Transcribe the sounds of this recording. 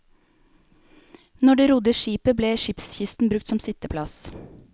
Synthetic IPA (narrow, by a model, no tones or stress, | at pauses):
nɔɖeːɾʊd̪əʃiːpəbleːʃɪpsçɪst̪n̩bɾʉk̚t̪sɔmsɪt̪əpʰlɑs